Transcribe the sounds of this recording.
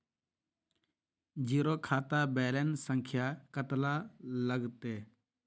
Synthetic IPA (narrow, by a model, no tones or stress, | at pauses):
d͡ʒiːɾoːkʰaːt̪abɛːlensəŋkʰjaːkət̪laləɡt̪eː